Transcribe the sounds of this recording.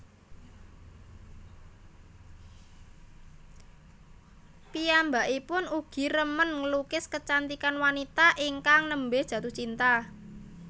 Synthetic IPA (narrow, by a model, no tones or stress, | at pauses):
piambaʔipʊnuɡ̥i̤ɾəmənŋəlukɪskət͡ʃant̪ikanwanit̪aʔiŋkaŋnəmbedʒ̥ä̤t̪ut͡ʃint̪a